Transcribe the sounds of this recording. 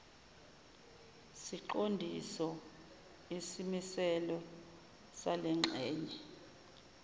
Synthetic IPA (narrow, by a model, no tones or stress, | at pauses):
siǃondʱisɔ | isimisɛlɔ | salɛŋ͡ǁʱɛːɲɛ